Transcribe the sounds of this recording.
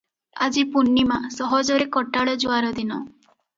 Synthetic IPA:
a̰d͡ʒipunːimasɔɦɔd͡ʒɔɾekɔʈaɭɔd͡ʒuaɾɔd̪inɔ

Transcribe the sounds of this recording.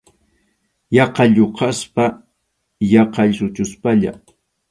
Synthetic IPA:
jɑqɑʎoqɑspa | jɑqɑʎsʊt͡ʃʊspaʎa̰

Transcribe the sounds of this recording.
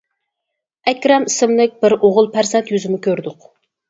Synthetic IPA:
ɛkʲɾɑmisɪmlɪk̚ʲbɪɾoʁʊlˠpʰæɾsɛnt̪jyzɪmɪkʲʰøɾd̪ʊq

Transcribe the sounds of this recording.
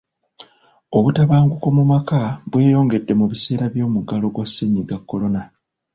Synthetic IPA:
o̞βutaβaːŋɡukomumakaβwe̞ːjo̞ːŋɡe̞dːe̞muβise̞ːɾaβjo̞ːmuɡalo̞ɡwasːiɲːiɡakːo̞lo̞na

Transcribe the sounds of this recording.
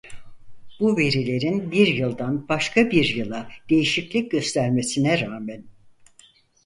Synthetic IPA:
b̥uve̞ɾilʲe̞ɾinbiɾjɯlˠd̪anbaʃkʰabiɾjɯlˠad̪̥e̞jiʃiclʲic̚ɟø̞st̪ʰæɾme̞sinɛɾaːmɛn

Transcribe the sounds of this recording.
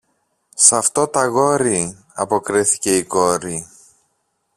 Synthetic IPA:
sɐft̪o̞t̪ɐɣo̞ɾi | ɐpo̞kɾiθi̥ce̞iko̞ɾi

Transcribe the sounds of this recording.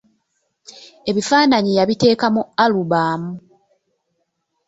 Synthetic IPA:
e̞βifaːnaɲijaβite̞ːkamualuβaːmu

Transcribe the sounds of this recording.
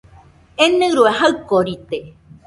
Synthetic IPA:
enẽɾueɦaɨkoɾit̪e

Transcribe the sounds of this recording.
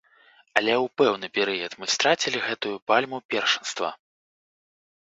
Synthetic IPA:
ɐlʲɛwpɛwnɨpʲɛɾɨjɐt̪mɨst̪ɾat͡sʲilʲiɣɛt̪ujupalʲmupʲɛrʂɨnst̪vɐ̰

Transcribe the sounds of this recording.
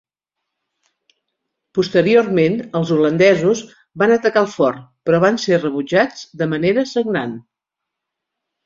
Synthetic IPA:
pust̪əɾiormenəlˠzulənd̪ɛzuz | banət̪əkalˠfɔrpɾɔβ̞anserəβud͡ʒad͡zd̪əməneɾəsəŋnan

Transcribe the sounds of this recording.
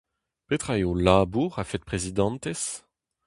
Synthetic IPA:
pet̪χaeolaːbuʁafɛt̪̚pχezid̪ɑ̃nt̪ɛs

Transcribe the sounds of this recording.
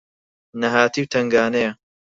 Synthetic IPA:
nɐɦaːt̪iːwt̪ʰɐŋɡaːnɐjɐ

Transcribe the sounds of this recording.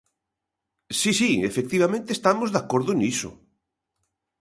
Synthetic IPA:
sisiḛfek̚t̪iβ̞amẽnt̪est̪amozðakoɾðʊnisʊ̰

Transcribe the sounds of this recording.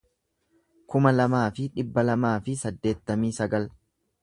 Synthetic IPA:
kʊmɐlɐmaːfɪᶑɪbːɐlɐmaːfɪsɐd̪ːe̞ːt̪ːɐmiːsɐɡɐl

